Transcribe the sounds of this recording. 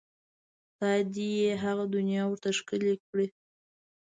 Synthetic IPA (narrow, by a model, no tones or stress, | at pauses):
t̪ɑd̪ijeɦaɣad̪ʊnjɑwəɾt̪aʃkəlekɽi